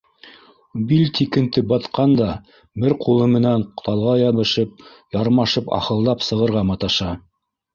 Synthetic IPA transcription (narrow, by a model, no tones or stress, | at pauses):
bilʲt̪ʰʲikɘ̆nt̪ɘbɑt̪qɑnd̪ɑ | bɘɾqʰulˠɤmɘ̆næɴqt̪ɑlˠʁɑjɑβɤ̆ʃɤp̚ | jɑɾmɑʃɤpɑ̰χɤ̆lˠd̪ɑpsɤ̆ʁɤ̆ɾʁɑmɑt̪ɑʃɑ